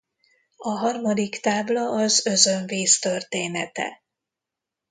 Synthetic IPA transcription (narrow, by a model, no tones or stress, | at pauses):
ɒɦɒrmɒd̪ikt̪aːblɒɒzø̞zø̞ɱviːst̪ørt̪eːnɛt̪ɛ̰